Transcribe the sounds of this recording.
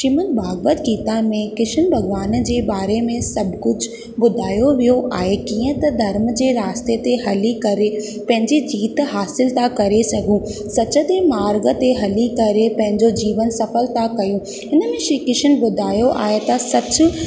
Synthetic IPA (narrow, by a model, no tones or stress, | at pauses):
ʃimən̚baːɡbət̪ɡiːt̪amẽkɪʃənbʱɐɡʋaːnd͡ʑeːbaːɾemẽsɐbʱkʊd͡ʑʊ | bʊd̪ʱaːjoʋijoʔaːɦekiːə̃t̪ɐd̪ʱɐɾm̆d͡ʑeːɾaːst̪et̪eɦɐlikɐɾe | pɐ̃ɦɪ̃ɲd͡ʑid͡ʑiːt̪ɦaːsɪlt̪akɐɾesɐɡʱũːsɐt͡ɕə̆t̪emaːɾɡə̆t̪eɦɐlikɐɾepɐ̃ɦɪ̃ɲd͡ʑod͡ʑiːʋənsɐfəlt̪akɐjũ | ɪnə̆mẽʃikɪʃənbʊd̪ʱaːjoʔa̰ːɦet̪ɐsɐt͡ɕʊ̆